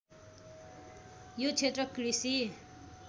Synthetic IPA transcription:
jot͡sʰet̪rʌkrisi

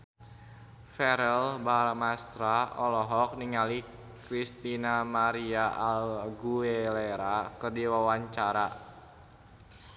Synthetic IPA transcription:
fɛɾɛlbamast̪ɾaɔlɔɦɔk̚niŋali | kɾist̪inamaɾiaʔalɡueleɾakərdiwawaɲt͡ʃaɾa

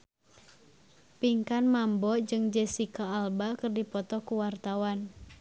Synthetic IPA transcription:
piŋkanmambɔd͡ʒɨŋd͡ʒɛsikaːlbakɨrdipɔt̪ɔkuwart̪awan

